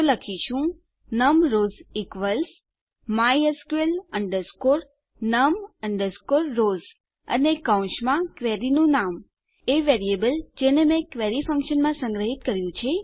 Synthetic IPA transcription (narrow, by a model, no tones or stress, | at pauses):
ləkʰiʃũ | nəmɾozikʋəls | majəskueləɳɖəɾskoɾ | nəməɳɖəɾskoɾːoz | ə̰nekaũʃmãkʋɛɾinũnam | eʋeɾiebəld͡ʒenemẽkʋɛɾifə̃ŋkʃənmãsə̃ŋɡɾəɦit̪kəɾjũt͡ʃʰe